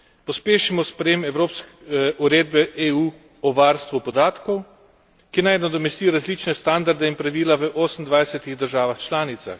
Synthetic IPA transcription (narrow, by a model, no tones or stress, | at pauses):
pɔspeːʃimɔspɾɛjeːmɛwɾoːpsk | uɾeːd̪̚bɛʔeuː | ɔʋaːɾst̪ʋupɔd̪aːt̪kɔw | kinajnad̪ɔmɛst̪iɾazliːt͡ʃnɛst̪and̪aɾd̪ɛinpɾaʋiːlaʋəʔoːsən̩d̪ʋajsɛt̪iɣd̪əɾʒaːʋaxt͡ʃlaːnit̪sa̰x